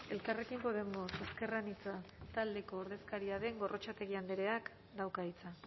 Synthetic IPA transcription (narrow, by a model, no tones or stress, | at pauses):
e̞lkare̞kimpo̞ð̞e̞mo̞seske̞ranit͡sat̪ald̪e̞ko̞ːɾð̞e̞skaɾiaðe̞ŋɡo̞rʔo̞t͡ʃat̪e̞ɣiand̪eɾe̞ak | d̪awkait͡sa